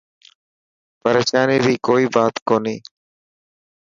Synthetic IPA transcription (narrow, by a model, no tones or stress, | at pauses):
pəɾeːʃaːniːd̪iːkoːiːbaːt̪koːniː